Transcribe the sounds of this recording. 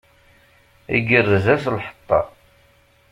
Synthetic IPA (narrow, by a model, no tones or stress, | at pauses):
ḭɡərːəzæslħə̥t̪ˤːɑ̰